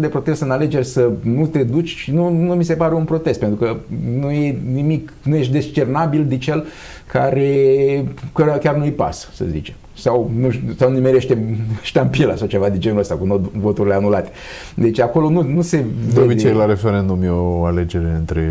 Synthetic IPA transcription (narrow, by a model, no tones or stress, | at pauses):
d̪epɾo̞t̪e̞st̪ɨnale̞d͡ʒe̞rʲsənut̪e̞d̪ut͡ʃʲʃinunumis̬e̞paɾe̞unpɾo̞t̪e̞st̪pent̪ɾukənuje̞nimiknujeʃd̪e̞st͡ʃe̞rnabild̪it͡ʃe̞l | kʰa̰ɾe̞ | kəkʲarnuipa̰ssə̰zḭt͡ʃem | sawnusawnimeɾe̞ʃt̪eʃt̪ampilə̰sawt͡ʃe̞vad̪ind͡ʒenuləst̪ʲakunovo̞t̪uɾile̞anulat̪e̥ | d̪e̞t͡ʃako̞lo̞nunuse̞obit͡ʃejlaɾe̞feɾe̞nd̪umjoale̞d͡ʒe̞ɾe̞ɨnt̪ɾe